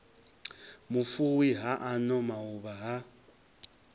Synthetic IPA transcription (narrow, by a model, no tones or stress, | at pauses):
mufuwiɦaʔanɔmauβaɦa